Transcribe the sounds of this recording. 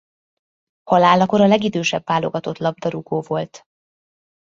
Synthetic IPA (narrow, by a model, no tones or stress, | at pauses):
hɒlaːlɒko̞ɾɒlɛɡid̪øːʃɛbvaːlo̞ɡɒt̪o̞t̪lɒb̚d̪ɒɾuɡoːvo̞lt̪